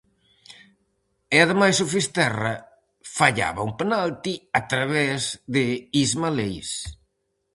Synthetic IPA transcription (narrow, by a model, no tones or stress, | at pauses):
ɪaðemajsʊfist̪ɛrɐ | faʎa̰βauŋpenalt̪iat̪ɾaβɛzðɪizmalejs